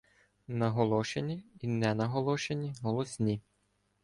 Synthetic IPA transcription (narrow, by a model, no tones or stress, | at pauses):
nɐɦɔlˠɔʃenʲiinɛnɐɦɔlˠɔʃenʲiɦɔlˠɔsʲnʲi